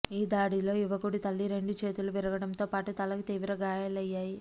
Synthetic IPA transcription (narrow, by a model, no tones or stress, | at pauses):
iːd̪aːɽilo̞ːjuʋɐɡuɽit̪ɐlːiɾe̞ɳɖut͡ʃe̞ːt̪uluʋiɾɐɡɐɽɐmt̪oːpaːʈut̪ɐlɐkut̪iːʋɾɐɡaːjɐlɐjːaːji